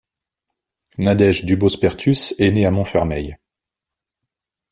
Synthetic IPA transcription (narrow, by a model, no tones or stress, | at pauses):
nad̪ɛʒd̪ybospɛʁt̪ʰysɛneamɔ̃fɛʁmɛj